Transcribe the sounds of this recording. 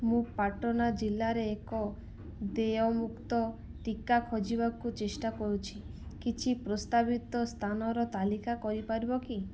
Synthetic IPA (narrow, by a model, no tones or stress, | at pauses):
mũpaʈɔnad͡ʒilːaɾeːkɔ | d̪eɔmukt̪ɔ | ʈikakʰɔd͡ʒibakut͡ʃesʈakɔɾut͡ʃʰikit͡ʃʰipɾɔst̪abit̪ɔst̪ʰanɔɾɔt̪alikakɔɾipaɾbɔki